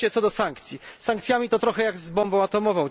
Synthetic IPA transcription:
ɛt̪sɔd̪ɔsaŋkt̪sʲjisaŋkt̪sʲjamʲit̪ɔt̪ɾɔxɛjaɡzbɔmbɔ̃w̃at̪ɔmɔvɔ̃w̃

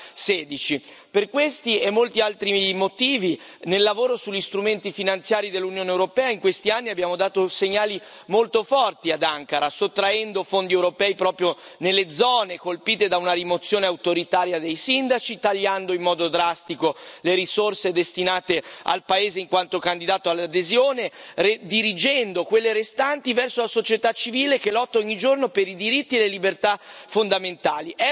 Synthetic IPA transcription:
sɛːd̪it͡ʃi | perkwest̪iɛmːolt̪ialt̪ɾimot̪iːvi | nelːavoːɾosuʎːist̪ɾument̪ifinant̪sjaːɾid̪elːunjoːnewɾopɛːaiŋkwest̪ianːiabːjaːmod̪aːt̪oseɲːaːli | molt̪ofɔrt̪iad̪aŋkaɾasot̪ːɾaɛnd̪ofond̪iewɾopɛːipɾɔːpɾjonelːed̪zɔːnekolpiːt̪ed̪aunaɾimot̪sːjoːneawt̪oɾit̪aːɾjad̪ejsind̪at͡ʃit̪aʎːand̪oimːɔːd̪od̪ɾast̪ikoleɾisorsed̪est̪inaːt̪ea̰lpaeːzeiŋkwant̪okand̪id̪aːt̪oalːad̪ezjoːnered̪iɾid͡ʒɛnd̪okwelːeɾest̪ant̪ivɛrsolasot͡ʃet̪at͡ʃːiviːlekelɔt̪ːaɔɲːid͡ʒornopeɾid̪iɾit̪ːielelibert̪afond̪ament̪aːliɛ

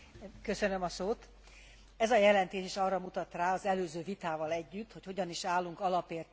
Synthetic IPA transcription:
kø̞sønø̞mɒsoːt̪ | ɛzɒjɛlɛnt̪eːʃeʃɒrɒmut̪ɒt̪raːɒzɛløːzøːvit̪aːvɒlɛɟːyt̪ːho̞cho̞ɟɒniʃaːlːuŋkɒlɒpeːrt̪

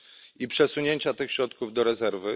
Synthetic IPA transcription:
ipʂɛsuɲeɲt͡ɕat̪ɘxɕɾɔt̪kuvd̪ɔɾɛzɛɾvɘ

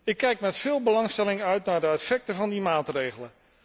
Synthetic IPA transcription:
ɪkːɛjkmɛtfɪːlˠbəlɑŋstɛlɪŋœɥtnaːɹdəɛtfɛk̚təvɑndimaːtrejχələ

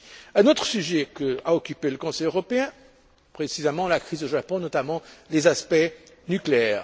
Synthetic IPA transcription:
ɛ̃not̪χəsyʒɛkəaɔkʲypeləkɔ̃sɛjøʁɔpeɛ̃ | pχesizemɑ̃lakχizoʒapɔ̃nɔt̪amɑ̃lezaspɛ | nykleɛːʁ

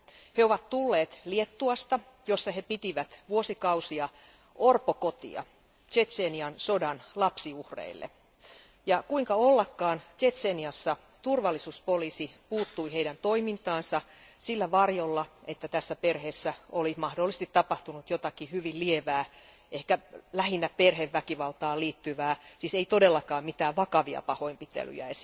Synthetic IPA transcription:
heoʋɑt̪t̪ulːeːt̪liet̪ːuɑst̪ɑ | jo̞sːɑhe̞pit̪iʋæt̪ʋuosikɑusiɑ | orpoko̞t̪ḭɑ̰ | t͡ʃet̪seːniɑnso̞dɑnlɑpsiuhrḛilːʔḛ | jɑkuiŋkɑolːɑkːɑːnt͡ʃet̪seniɑsːɑ | t̪urʋɑlːisuːspo̞liːsipuːt̪ːuiheidænt̪oimint̪ɑːnsɑ | silːæʋɑrjolːɑʔet̪ːæt̪æsːæperheːsːæolimɑhdolːist̪it̪ːɑpɑht̪unut̪jot̪ɑkihyʋillieʋæː | ʔehkælæhinːæperheʋːækiʋɑlt̪ɑːliːt̪ːyʋæːsiːseit̪odelːɑkɑːmmit̪æːʋʋɑkɑʋiɑ̰pɑho̞impit̪ḛly̰jæ̰esi

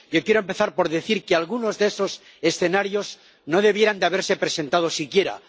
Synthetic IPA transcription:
ʝokjeɾoempe̞θaɾpo̞ɾðeθiɾkealɣuno̞zðeeso̞s | esθe̞naɾjo̞z | no̞ðe̞β̞jeɾand̪eaβeɾsepɾe̞se̞nt̪að̞o̞sikje̞ɾa̰

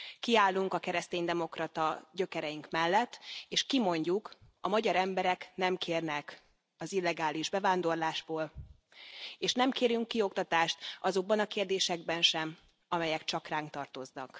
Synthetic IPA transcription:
kiaːlːuŋkɒkɛɾɛst̪eːɲd̪ɛmo̞krɒt̪ɒɟø̞kɛɾɛjiŋkmɛlːɛt̪ːeːʃkimo̞ɲɟuk | ɒmɒɟɒɾɛmbɛɾɛknɛmkʰeːrnɛk | ɒzilːɛɡaːliʒbɛvaːnd̪o̞rlaːʒboːl | eːʃnɛmkeːɾjyŋkːio̞kt̪ɒt̪aːʃt̪ɒzo̞ɡ̚bɒnɒkeːrd̪eːʃɛɡbɛnʃɛm | ɒmɛjɛkt͡ʃɒkraːŋk̚t̪ɒrt̪o̞znɒ̰k

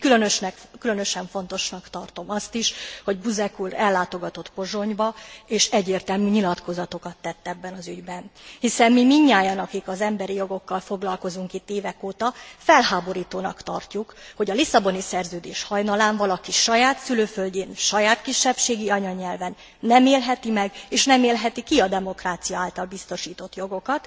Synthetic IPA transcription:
kylønøʃnɛkkylønø̞ʃɛɱfo̞n̪t̪o̞ʃnɒkt̪ɒrt̪o̞mɒst̪iʃho̞ɟbuzɛkulɛlːaːt̪o̞ɡɒt̪o̞t̪po̞ʒo̞ɲbɒeːʃɛɟːeːrt̪ɛlmyːɲilɒt̪ko̞zɒt̪o̞kɒt̪ːɛt̪ːɛbːɛnɒzyɟbɛnhisɛmmimiɲːaːjɒnɒkikɒzɛmbɛɾijo̞ɡo̞kːɒlfo̞ɡlɒlko̞zuŋkit̪ːeːvɛkoːt̪ɒfɛlɦaːbo̞ɾiːt̪oːnɒ̰kt̪ɒ̰rcukho̞ɟɒlisɒbo̞nisɛrzøːd̪eːʃhɒjnɒlaːɱvɒlɒkiʃɒjaːt̪syløːfølɟeːnʃɒjaːt̪kiʃːɛpʃeːɡiɒɲɒɲɛlvɛnː | ɛmeːlɦɛt̪imɛɡeːʃnɛmeːlɦɛt̪ikiɒd̪ɛmo̞kraːt̪sijɒaːlt̪ɒlbist̪o̞ʃiːt̪o̞t̪jo̞ɡo̞kɒt̪

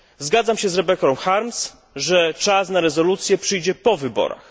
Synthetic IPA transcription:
zɡad̪zamɕɛzɾɛbɛkɔ̃wxaɾms | ʐɛt͡ʂasnaɾɛzɔlut̪sʲjɛpʂɘjd͡ʑɛpɔvɘbɔ̰ɾa̰x

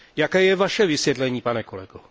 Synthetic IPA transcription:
jakɛːjɛvaʃɛvɪsjɛt̪lɛɲiːpanɛkolɛɡ̥o

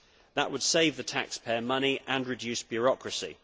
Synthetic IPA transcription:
ðəʔwəd̥seɪvðətʰa̰kspʰɛːəmʌniʔə̃nɹɪd͡ʒʉˑsb̥jɔɹɒkʰɹəsḭ

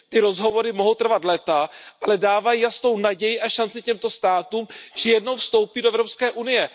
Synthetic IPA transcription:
t̪ɪɾo̞zɦo̞vo̞ɾɪmoɦowt̪r̩vat̪lɛt̪aʔalɛdaːvajijast̪o̞wnaɟɛjɪʔaʃant͡sɪcɛmt̪o̞st̪aːt̪uːmʒ̥ɛjɛdno̞wfst̪o̞wpiːdoʔɛvɾopskɛːʔunɪjɛ

